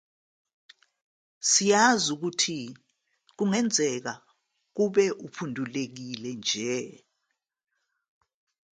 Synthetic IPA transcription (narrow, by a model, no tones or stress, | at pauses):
sijazuk̬utʰi | k̬uŋɛnd͡zʱɛk̬a | k̬uɓɛʔupʰundʱulek̬ilɛnd͡ʒʱɛ